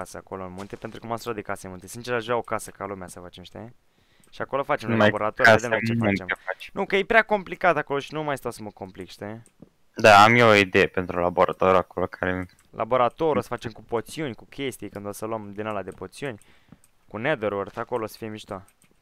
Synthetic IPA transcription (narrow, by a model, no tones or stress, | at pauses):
asəako̞lonmunt̪e̞pent̪ɾukumasulat̪d̪ekasenmunt̪esint͡ʃeɾʒuaokasəkalumeasəfat͡ʃemʃi̥t̪ee | ʃiakolofat͡ʃemleaboɾat̪oɾd̪ememt͡ʃefent͡ʃemfat͡ʃnukəjepɾʲeako̞mplikat̪ako̞lo̞ʃinumajst̪awsəməko̞mplikʃi̥t̪ee | d̪aamjeoid̪ejepe̞nt̪ɾulaboɾat̪oɾakolokʰaɾe | lʔa̰bo̞ɾat̪o̞ɾosə̥fat͡ʃe̞mkupo̞t̪siunʲkukʲʰe̞st̪ijkɨnd̪osəluəmd̪inalad̪epo̞t̪siunʲ | kuned̪eɾurθako̞losə̥fijemiʃt̪oa